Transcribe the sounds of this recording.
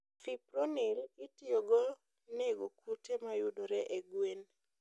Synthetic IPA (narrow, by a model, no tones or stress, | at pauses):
fipɾonɪlɪtioɡɔ | neɡokutemajʊdoɾɛʔeɡwen